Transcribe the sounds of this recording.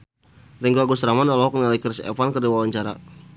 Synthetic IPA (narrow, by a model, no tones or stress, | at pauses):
riŋɡuaɡusɾamanɔlɔɦɔk̚nalikərsɛ̰fankərdiwawaɲt͡ʃaɾa̰